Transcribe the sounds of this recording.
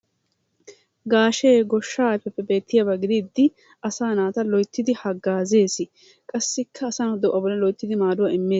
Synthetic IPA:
ɡaːʃeːɡɔʃːaːɛpːɛpːɛbe̞ːt̪ːɪjabɐɡɪd̪id̪ːɪ | ɐsaːnaːt̪ɐlɔjt̪ːɪd̪ɪhɐɡːaːze̞ːsɪ | kʼɐsːɪkʰːɐːsɐnɔd̪ɔʔːɐbɔlɐlɔjt̪ːɪd̪ɪmaːd̪ʊwɐɪmːeː

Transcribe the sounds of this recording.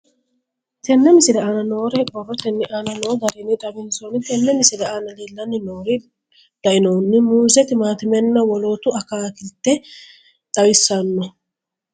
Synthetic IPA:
t̪ɛnːɛmɪsɪlɛʔaːnɐno̞ːɾɛbɔrːɔt̪ɛnːɪʔaːnɐnoːɡ̪ɐɾɪnːɪᶑ̪ʼɐbɪnsonɪt̪ɛnːɛmɪsɪlɛaːnɐliːlːɐnːɪnoːɾɪ | d̪̥ɐʔɪnoːnːɪmuːzɛt̪ɪmaːt̪ɪmɛnːɐwɔlo̞ːt̪ʊɐkaːkɪlt̪ːɛ | ᶑɐwɪsːɐnːɔ

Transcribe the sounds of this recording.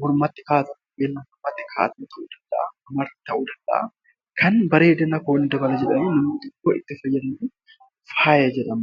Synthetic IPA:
hɔɾmɐt̪ːɪ̥kaːt̪ɐnʔeːlːɐɔɾmɐt̪ːɪ̥kʰa̰ːt̪ɐnɪt̪ɐʔuːd̪ɐnd̪ɐ̰ɐmɐɾt̪ɐʔuːd̪ɐnᶑɐ̰a̰ | kʰɐnbɐɾe̞ːd̪ɐnɐko̞ːnɪd̪ɐbɐlɐd͡ʒɛᶑɐniːnɐmnɪt̪ɪkːoːɪ̰t̪ːɪfɐjːɐd̪ɐnu | faːjɐd͡ʒɛᶑɐm

